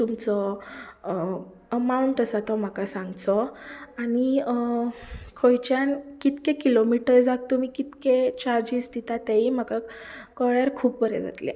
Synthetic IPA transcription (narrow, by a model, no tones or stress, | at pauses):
t̪umt͡sɔ | əmauɳʈəsat̪ɔm̤akasãŋɡt͡sɔani | kʰojt͡ɕankit̪kẽkilomiʈəɾd͡zak̚t̪um̤ikit̪ket͡ɕaɾd͡ʑist̪it̪at̪eim̤akakəɭjaɾkʰuːppəɾɛ̰d͡za̰t̪lḛ